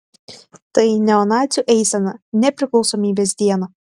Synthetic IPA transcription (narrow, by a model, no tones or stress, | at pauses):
t̪ɐɪnʲɛɔnɑːt̪sʲuʔɛɪsʲɛnɐnʲɛpʲɾʲɪklˠɒʊsɔmʲiːbʲeːsd̪ʲiɛnɐ